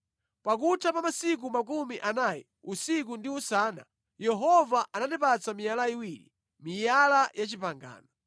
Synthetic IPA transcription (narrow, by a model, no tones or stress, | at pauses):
pak̬utʰapamasik̬umak̬umiʔanajḭ | usik̬undiusaːna̰ | jɛɦɔvaʔananipat͡samijalaiwiːlḭ | mijalajat͡ʃipaŋɡa̰ːnɔ